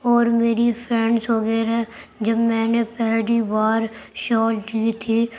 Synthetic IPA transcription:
ɔːɾmeːɾipʰɾɛ̃ɳɖsɦoːɡəeɾɛːd͡ʒəbmɛ̃ːnepɛɦlibaːɾʃɔːld̪iːt̪ʰiː

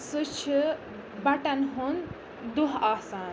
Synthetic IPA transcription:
sɨt͡ʃʰi | bɐʈɐnɦun | d̪uɦaːsaːn

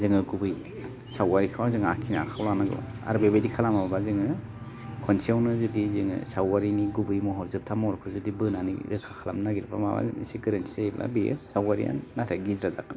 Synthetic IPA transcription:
zɯŋɯɡubɯj | sawaɾikʰɯwazɯŋakʰinaa̰kʰawlanaɡɯ̰a̰ɾbebedikʰalamaabazɯŋɯ | kʰɔnsiawnɯzɯdizɯŋɯ̰sawaɾiniɡubɯjmɔɦɔɾzɯp̚tʰamɔɾkʰuzɯdibɯnanḭɾɯkʰakʰalamnaɡiɾpʰa̰maba̰siɡɯɾensijblʔa̰bijɯ̰sawaɾḭja̰nːatʰaɡizɾaza̰kan

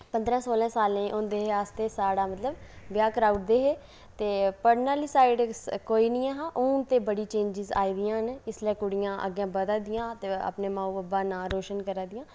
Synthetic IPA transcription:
pənd̪ɾãːsoːlɛ̃ːsaːlẽʔõːnd̪eːɦeːaːst̪eːsaːɽaːmət̪ləbbjaːkəɾaːuʈd̪eːɦeː | t̪eːpəɽnaːliːsaːɪɖkoːiːnĩːaːɦaːʔuːt̪eːbəɽiːt͡ʃẽːɲd͡ʒɪza̰ːiːd̪ɪjãːnɪslɛːkʊɽɪjãːʔə̰ɡjãːbəd̪aːd̪ɪjãːt̪eːə̰pneːmãːũːəbaːnãːɾoːʃənkəɾaːd̪ɪjãː

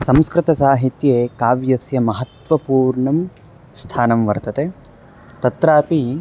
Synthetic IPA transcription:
sɐmskɾɪt̪ɐsaːɦit̪jeːkaːʋjɐsjɐmɐɦɐt̪ʋɐpuːɾɳɐm | st̪ʰaːnɐmʋɐɾt̪ɐt̪eː | t̪ɐt̪ɾaːpi

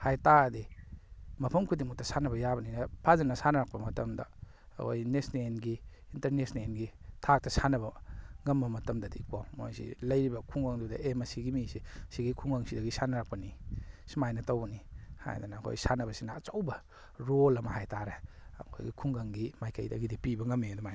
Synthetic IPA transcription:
hajtadi | mɐpʰɐmkʰudimuk̚tɐsanɐbɐjabɐninɐpʰazɐnːɐsanɐɾak̚pɐmɐtɐmdɐ̰ | kʰo̰jnesnenɡi | intɐɾnesnenɡitʰak̚tɐsanɐβɐŋɐmbɐmɐtɐmdɐdikawmo̰jsḭlɐjɾibɐkʰuŋɡaŋdudɐʔemɐsiɡimisisiɡikʰuŋɡaŋsidɐɡisanɐɾak̚pɐnisimajnɐtowbɐniha̰j̰dunɐːkʰo̰jsanɐbɐsinɐːt͡ʃowbɐ | ɾolɐmɐɦajtaɾe | ɐ̰kʰo̰jɡikʰuŋɡaŋɡimajkɐ̰jdɐ̰ɡidipibɐŋɐmedɔmaj

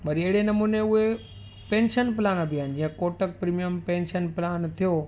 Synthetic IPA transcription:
bɐɾiɐɦɪɽenɐmuːneʊɦe | pẽːnʃənpɪlaːnabiaːɦɪnɪ̆d͡ʑĩɦə̃koːʈək̚pɾiːmijəmpẽːnʃənpɪlaːnt̪ʰijo

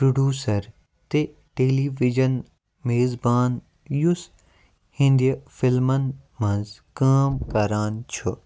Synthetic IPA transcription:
pɾuɖjuːsɐɾ | t̪e | ʈeːliːʋid͡ʒɐn | meːzbaːn | jus | hĩnd̪iɐfɪlmɐnmɐ̃nzkaːmkɐɾaːnt͡ʃʰu

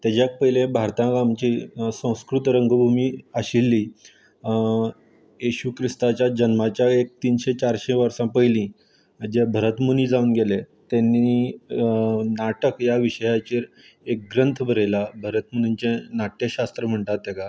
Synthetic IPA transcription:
t̪ad͡ʑjak̚pəɦilẽbʱaɾt̪ãɡamt͡ɕiːsə̃w̃skɾut̪ɾəŋɡəbʱumiːəɕilːiː | jeɕuːkʰɾist̪at͡ɕjad͡ʑənmat͡ɕjaek̚t̪iːnɕet͡ɕaɾɕeʋəɾsãpəɦjlĩ | d͡ʑebʱəɾət̪muniːd͡zaunɡele | t̪ɛnːi | naʈəkjaʋiɕəjat͡ɕiːɾ | ek̚ɡɾənt̪ʰbʱəɾelabʱəɾət̪munuɲt͡ɕenaʈ̪jəɕast̪ɾəm̤əɳt̪at̪ːeka

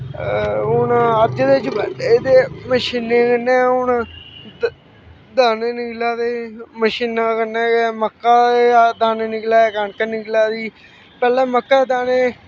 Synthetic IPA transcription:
ʊnaəd̪d͡ʒd̪et͡ʃbəeːd̪eːməʃiːneːkənːẽːʊnã | d̪aːneːnɪklaːd̪eːməʃiːnaːkənẽːɛməkːaːed̪aːneːnɪklaːkaːɳkənɪklaːd̪iː | pɛːlɛ̃ːməkːaːd̪aːneː

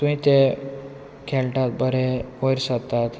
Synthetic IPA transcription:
t̪ũɦĩt̪e | kʰelʈat̪̚bəɾeojɾsəkt̪ːat̪

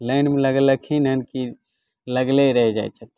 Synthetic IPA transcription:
lənmeləɡləkʰinɦənki | ləɡleɾəɦɛd͡ʒaj̪t͡ʃʰət̪

